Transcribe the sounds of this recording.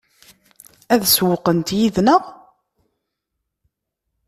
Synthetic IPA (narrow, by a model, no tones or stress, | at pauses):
æðswəqənt̪jiðnəʁ